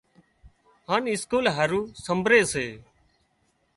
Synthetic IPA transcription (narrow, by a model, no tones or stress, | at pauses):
ɦaːnɪskuːlɦaɾuːsəmbʱɾeːseː